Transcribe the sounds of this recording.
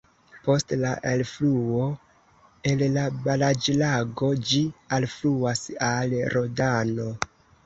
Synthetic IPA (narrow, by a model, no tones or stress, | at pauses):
po̞stlaʔelfluo̞ | e̞llabalad͡ʒlaɡo̞d͡ʒialfluasalɾodano̞